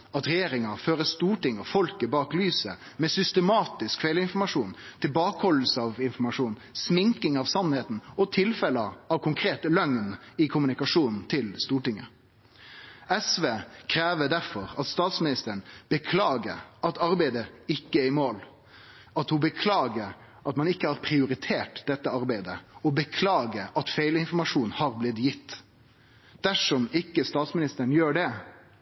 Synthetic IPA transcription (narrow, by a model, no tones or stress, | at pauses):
ɑt̪ɾɛjeːɾɪŋɑføːɾəst̪uːʈɪŋːɔfɔlkəbɑːklyːsə̰ | mɛsʏst̪əmɑːt̪ɪskfɛɪləɪnfɔɾmɑʂuːnt̪ʰɪlbɑːkəhɔləl̩səɑʋɪnfɔɾmɑʂuːnsmɪŋkɪŋɑʋsɑnheːt̪n̩ɔt̪ʰɪlfɛləɑʋkʰʊŋkʰɾeːt̪lœŋnɪkʰʊmʉnɪkɑʂuːnn̩t̪ʰɪlst̪uːʈɪŋːə | ɛsʋeːkʰɾeːʋəd̪æɾfɔɾɑt̪st̪ɑːt̪smɪnɪst̪əɳb̥əkʰlɑːɡəɾɑt̪ɑɾbæɪd̪əɪkːəɛɪmoːl | ɑt̪hʊbəkʰlɑːɡəɾ | ʔɑt̪mɑnɪkːəhɑɾpʰɾɪʊɾɪt̪ʰeːʈd̪ɛt̪ːəɑɾbæɪd̪əɔbəkʰlɑːɡəɑt̪feɪlɪnfɔɾmɑʂuːnhɑːɾblɪt̪jɪt̪ː | d̪̥æʂɔmɪkːəst̪ɑːt̪smɪnɪst̪əɾəɳ̩jøːɖɛ